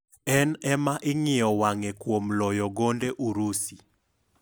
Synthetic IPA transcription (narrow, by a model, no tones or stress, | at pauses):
ɛnɛmaʔɪŋɪjɔwaŋekwomlɔjɔɡondeʔuɾusi